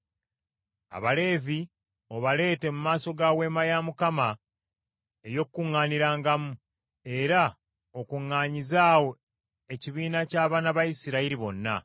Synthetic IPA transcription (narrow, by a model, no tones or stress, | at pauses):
a̰βale̞ːvi | o̞βale̞ːte̞mumaːso̞ɡawe̞ːmajamukama | e̞jo̞kkːuŋːaːniɾaːŋɡamu | e̞ɾa | okuŋːaːɲizaːwo̞ | e̞ciβiːnacaːβaːnaβajisiɾaiɾiβo̞nːa̰